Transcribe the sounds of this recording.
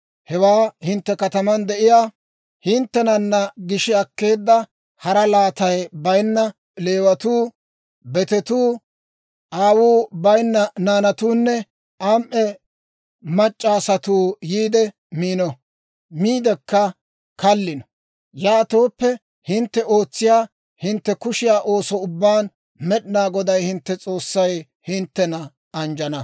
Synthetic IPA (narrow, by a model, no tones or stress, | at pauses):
hɛwaːhɪnt̪ːɛkɐt̪ɐmɐnd̪ɛʔɪjaː | hɪnt̪ːɛnɐnːɐɡɪʃɪɐkːe̞ːd̪ːɐ | hɐɾɐlaːt̪ɐjbɐjnːɐ | le̞ːwɐt̪uː | bɛt̪ɛt̪uː | ʔaːwuːbɐjnːɐnaːnɐt̪uːnːɛ | ʔɐmʔɛ | mɐt͡ʃʼːaːsɐt̪uːjiːd̪ɛ | miːnɔ | miːd̪ɛkːɐ | kɐlːɪnɔ̥ | jaːt̪o̞ːpːɛ | hɪnt̪ːɛo̞ːt͡sːɪjaː | hɪnt̪ːɛkʊʃɪjaːʔo̞ːsɔʊbːaːn | mɛɗɪnaːɡɔd̪ɐjhɪnt̪ːɛt͡sʼo̞ːsːɐj | hɪnt̪ːɛnɐ | ɐnd͡ʒɐnɐ